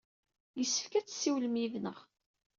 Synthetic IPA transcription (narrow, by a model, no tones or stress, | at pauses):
jəsːə̥fkæt͡sːsːiwləmiðnəʁ